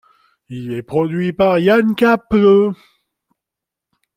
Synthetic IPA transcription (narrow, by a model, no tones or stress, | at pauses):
ilɛpχɔd̪ɥipaʁjankʲaplø